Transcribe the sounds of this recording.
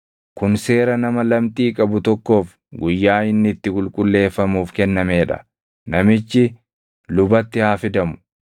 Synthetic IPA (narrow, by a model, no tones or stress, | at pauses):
kʊnse̞ːɾɐnɐmɐlɐmt̪ʼiːkʼɐbʊt̪ɔkːo̞ːf | ɡʊjːaːhɪnːɪt̪ːɪkʼʊlkʼʊlːe̞ːfːɐmuːfkɛnːɐme̞ːᶑɐ̥̰ | nɐmɪt͡ʃːɪ | lʊbɐt̪ːɪhaːfɪd̪ɐmʊ̥